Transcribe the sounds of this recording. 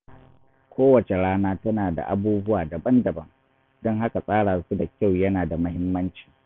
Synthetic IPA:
kʷoː˦wɐ˨t͡ʃe˨ɽaː˦naː˦tɐ˦naː˨da̰˨ʔa˦buː˦bʊ˦waː˨dɐ˨bɐ˦ndɐ˨bɐ˦ŋ | d̥ɔ˦ŋɦa˦ka˨sʼaː˦ɽaː˨su˦da˨kʲa˦˨wjɐ˦naː˨da˨mɐ˦ɦɪ˦mːɐ˦nt͡ʃi̥ː˨

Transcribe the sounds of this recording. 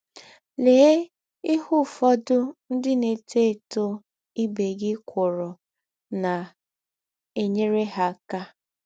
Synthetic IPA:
leː˨˦ | i˦hʊ˦fɔ˦dʊ˦n̩˦dɪ˦ne˨tʰe˦˨to˦ | i˦be˨ɡɪ˦kʷʊ˨ɾʊ˨ | na˨ | e˦ɲe˦ɾe˦ɦa˦˨ka˦

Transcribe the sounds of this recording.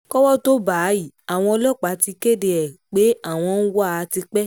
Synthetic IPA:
kɔ˦wɔ˦to˦ba˨˦ji˦˨a˨w̃ɔ̃˧ɔ˧lɔ˦˨k͡pa˨˦ti˧ke˦de˧ɛ˨k͡pe˨˦a˦˨w̃ɔ̃˧n̩˦wa˦a˨˧ti˧k͡pɛ˦

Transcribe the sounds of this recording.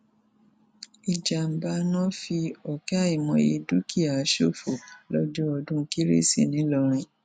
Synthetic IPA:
i˨d͡ʒa˨m̩˨ba˧nɔ̃˦fi˧ɔ˨kɛ˦a˦˨i˨mɔ̃˧˦je˧du˦ki˦a˨˦ʃo˦˨fo˨lɔ˦d͡ʒɔ˦ɔ˧dũ˦ki˦ɾḛ˦˨sḭ˦˨nĩ˨˦lɔ˧˨ɾ̃ĩ˧

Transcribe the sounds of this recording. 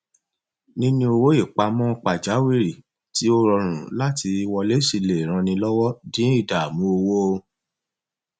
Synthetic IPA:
nĩ˦nĩ˦o˧wo˦i˦˨k͡pa˧mɔ̃˦˧k͡pa˨d͡ʒa˨˦wi˦˨ɾi˨ | ti˨˦o˦ɾɔ˧ɾ̃ũ˨la˦tʰi˧i˧wɔ˧le˦si˧le˨ɾ̃ã˧nĩ˧lɔ˦wɔ˦dĩ˨˦i˦˨da˨mũ˦o˧wo˦o˧

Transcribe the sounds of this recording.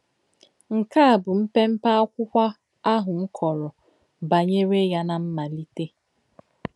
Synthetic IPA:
ŋ̩˨ka˦a˨bʊ˨m̩˦pe˦m̩˦pa˦kʷʊ˦kʷa˦ | a˦ɦʊ˨ŋ̩˦kʰɔ˨ɾɔ˨ | ba˨ɲe˦ɾe˦ja˦na˨m̩˦ma˨li˦te˦

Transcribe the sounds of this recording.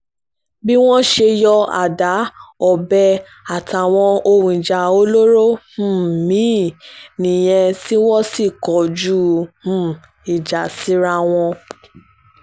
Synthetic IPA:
bi˦w̃ɔ̃˦ʃe˧jɔ˧a̰˨da˨˦ɔ˨bɛ˧ | a˨ta˨w̃ɔ̃˧o˧wũ˨i˨d͡ʒa˨o˧˦lo˦ɾo˦h̩˦˨mĩ˨˦nĩ˨j̃ɛ̃˧si˦wɔ̃˦si˦˨kɔ˨d͡ʒu˦h̩˨ | i˨d͡ʒa˨si˨˦ɾa˧w̃ɔ̃˧

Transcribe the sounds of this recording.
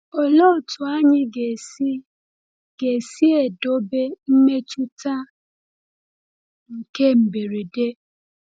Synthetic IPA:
ɔ˦lo˦˨tu˨a˦ɲɪ˦ɡe˨si˦ | ɡ̥e˨si˦e˨do˨˦be˦m̩˦me˦t͡ʃu˦ta˦ | ŋ̩˨ke˦m̩˨be˨ɾe˨de˦

